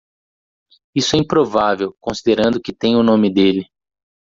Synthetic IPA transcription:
isʊɛĩpɾovavewkõsid̪eɾɐ̃nd̪ʊkɪt̪ẽj̃ʊnõmɪd̪elɪ

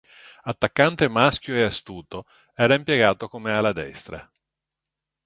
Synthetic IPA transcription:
at̪ːakːant̪emask̟joeast̪uːt̪o | ɛːɾaimpjeɡaːt̪okomealːad̪ɛ̰st̪ɾa̰

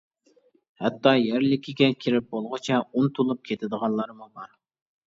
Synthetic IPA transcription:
hɛt̪ʰːɑjæɾlɪkʲʰiɡʲɛkʲʰiɾɪp̚bolˠʁət͡ʃʰɛunt̪ʰulˠup̚kʲʰet̪ʰɪd̪əʁɑnlˠɑɾmubɑɾ

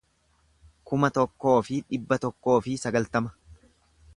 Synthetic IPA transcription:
kʊmɐt̪ɔkːo̞ːfɪᶑɪbːɐt̪ɔkːo̞ːfɪsɐɡɐlt̪ɐmɐ̥

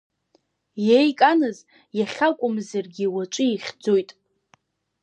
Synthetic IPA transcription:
jejkʼanɨz | jaχʲakʷʼʊmzarɡʲiwat͡ʃʷʼɨiχʲd͡zojtʼ

